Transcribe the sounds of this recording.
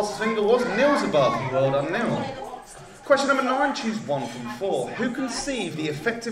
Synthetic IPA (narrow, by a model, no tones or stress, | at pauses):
lˠsəzɪ̃ŋɡəwɒznɪlˠzəbʌvðəwɜːlˠɾə̃nːɪlˠ | kʰɛst͡ʃə̃nəvənɑɹɪ̃nt͡ʃʰʉzwʌ̃nfɹə̃ɱfɔːhʉkʰə̃nsiːvðiɨfɛk̚tɪ